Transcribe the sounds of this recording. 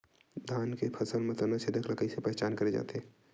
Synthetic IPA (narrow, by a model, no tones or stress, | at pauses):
d̪ʱaːnkepʰɐsəlmẽt̪ɐnəsɪd̪əklɐkəisepɛɦɛt͡ʃaːnkɐɾed͡ʒa̰ːt̪eɦɛ̃